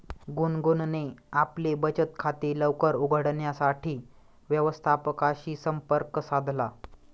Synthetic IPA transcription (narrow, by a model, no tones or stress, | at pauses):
ɡunɡunneaplebət͡ɕət̪kʰat̪eləʋkəɾuɡʱəɽɳjasaʈʰiː | ʋjəʋəst̪ʰapəkaɕiːsəmpəɾksad̪ʱla